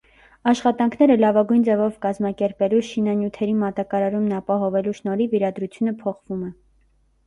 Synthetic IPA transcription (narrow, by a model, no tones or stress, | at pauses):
ɑʃχɑt̪ɑŋkʰn̪ɛɾəlɑvɑɡujnd͡zɛvɔvkɑzmɑkɛɾpɛluʃinɑnjut̪ʰɛɾimɑt̪ɑkɑɾɑɾumnɑpɑɦɔvɛluʃnɔɾiviɾɑd̪ɾut͡sʰjunəpʰɔχv̥umɛ